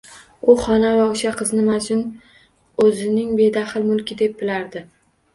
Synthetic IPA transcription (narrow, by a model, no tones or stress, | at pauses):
ʊχɒnavaoʃaqʰɨznɪmad͡ʒʊn | ɵzɪnɪŋbe̞d̪aχɨlmʊlˠkʲɪd̪e̞p̚bɪlaɾd̪ɪ